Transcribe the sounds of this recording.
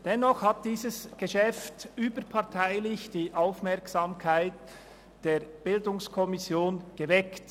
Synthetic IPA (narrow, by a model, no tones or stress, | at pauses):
d̥ɛnɔχhat̚d̥iːzəsɡ̥eʃɛftyːbəpʰɑʁtʰaɪlɪçd̥iːʔaʊfmɛɐksaːmkʰaɪt | d̥eːɐb̥ɪldʊŋskʰɔmɪsjoːnɡ̥evɛkt